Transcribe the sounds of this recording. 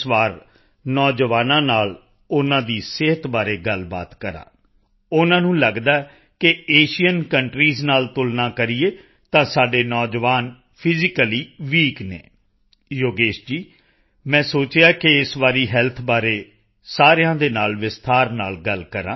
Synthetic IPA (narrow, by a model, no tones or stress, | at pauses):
sʋaːɾ | nɔːd͡ʒʋaːnãːnaːl | ʊnãːd̪iːsɪɦət̪baːɾeːɡəlba̰ːt̪kəɾã̰ː | ʊnãːnũːləɡd̪aː | kɪeːʃijənkəɳʈɾiːznaːlt̪ʊlnãːkəɾiːeː | t̪ãːsaːɖeːnɔːd͡ʒʋaːn | pʰɪzɪkəliːʋiːknḛː | joːɡeːʃd͡ʒiː | mɛ̃ːsoːt͡ʃjaːkɪɪsʋaːɾiːɦɛːlt̪ʰbaːɾeː | saːɾejãːd̪eːnaːlʋɪst̪ʰaːɾnaːlɡəlkəɾãː